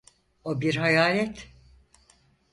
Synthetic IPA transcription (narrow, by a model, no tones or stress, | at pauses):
obiɾɦajaːlʲɛt̪